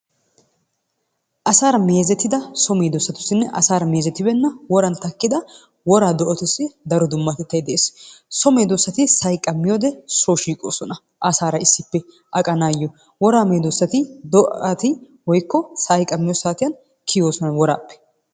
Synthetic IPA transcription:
ʔɐsaːɾɐmeːzɛt̪ːɪd̪ɐsɔmeːd̪ɔsːɐt̪ʊ̥sːɪnːɛʔɐ̰saːɾɐme̞ːzɛt̪ːɪbɛnːɐwɔɾɐnt̪ɐkːɪd̪ɐ | wɔɾaːd̪ɔʔɔt̪ʊsːɪd̪ɐɾɔd̪ʊmːɐt̪ɛt̪ːɐjd̪ɛʔeːssɔmeːd̪osːɐt̪ɪsɐjkʼːɐmːɪjoːd̪ɛsoːʃiːkʼo̰ːsɔnɐ | ʔɐsaːɾɐɪsːɪpːɛ | ʔɐkʼɐnaːjːɔ | wɔɾaːmeːd̪ɔsːɐt̪ɪd̪ɔʔɐt̪ɪ | wɔjkːɔsɐjkʼɐmːɪjosaːt̪ɪjɐn | kʰɪjoːsɔnɐwɔɾa̰ːpːɛ̥

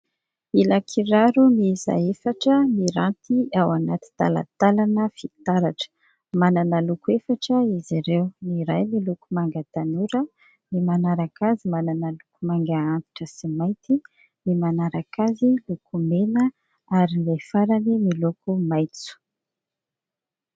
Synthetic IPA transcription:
ilakʰiɾaɾumiza̰efaʈ͡ʂəmiɾant̪iawanat̪i̥t̪a̰la̰t̪alanəfit̪aɾaʈ͡ʂə̥ | mananəlukuefaʈ͡ʂəiziɾewniɾajmilukumaŋɡat̪anuɾə | mimanaɾakazimananəlukumaŋɡaant̪i̥ʈ͡ʂəsimaj̪t̪i | mimanaɾakazilukumenə | aɾiajfaɾanimilukumajt͡su̥

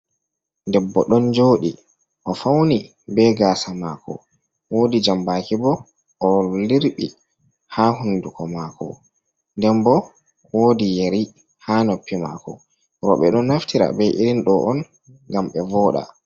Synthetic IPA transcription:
ndɛbːɔɗɔnd͡ʒoːɗi | ʔɔfawni | bɛɡaːsamaːkɔ̰ | woːdid͡ʒambaːkibɔ | ʔːliɾɓi | hahundukɔmakɔ̰ | ndɛmbɔ | woːdijeɾi | haːnopːima̰kɔ̰ | ɾɔɓɛɗɔnaftʰiɾa̰bɛʔiɾinɗɔʔɔn | ŋɡamɓɛvɔːɗa̰

